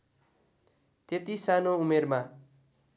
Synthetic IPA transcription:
t̪et̪isanoumerma

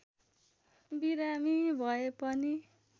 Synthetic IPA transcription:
biɾamibʱʌepʌni

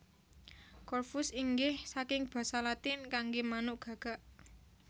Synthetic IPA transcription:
kɔrfusiŋɡɪhsakɪŋb̥a̤salat̪ɪnkaŋɡemanʊʔɡ̥ä̤ɡ̥a̤ʔ

